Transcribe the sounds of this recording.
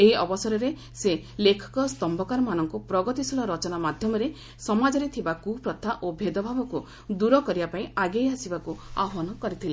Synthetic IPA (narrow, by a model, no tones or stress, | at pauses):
eɦiɔbɔsɔɾɔɾe | se | lekʰɔ̥kɔst̪ɔmbʱɔkaɾɔmanɔŋkupɾɔɡɔt̪isulɔɾɔt͡ʃɔnamad̪ʱjɔmɔɾe | sɔmad͡ʒɔɾet̪ʰibakupɾɔt̪ʰaʔobʱed̪ɔbʱabɔku | d̪uɾɔkɔɾibapaĩaɡejasibakua̰ɦɔnɔkɔɾit̪ʰila